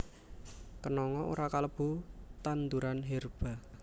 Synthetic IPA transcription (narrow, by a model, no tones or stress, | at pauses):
kənɔŋɔo̰ɾakaləb̥ṳt̪and̪uɾanɦerb̥a̤